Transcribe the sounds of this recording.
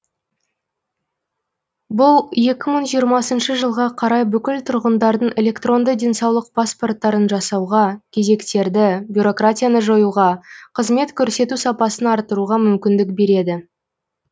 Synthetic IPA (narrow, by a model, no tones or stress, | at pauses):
bʊlˠje̞kʲɪməɴʒijəɾmɑsənʃəʒəlˠʁɑqʰɑɾɑjbʏkʲɪlt̪ʰʊɾʁənd̪ɑɾd̪əɴe̞lʲe̞kt̪ro̞nd̪əd̪ʲe̞nsɑwlˠəq̚pʰaspo̞rt̪ːɑɾənʒɑsɑwʁɑkʲʰe̞ze̞kt̪e̞ɾd̪ɪbʲjuɾo̞kratʲijanəʒo̞juʁɑqʰəzme̞t̪kʲʰɵɾse̞t̪usɑpɑsənɑɾt̪əɾuʁɑmʏmkʲɪnd̪ɪk̚be̞ɾe̞d̪ɪ